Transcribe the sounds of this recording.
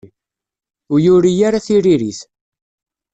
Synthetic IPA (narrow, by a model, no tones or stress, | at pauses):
ʊjʊɾijaɾaθiɾiɾiθ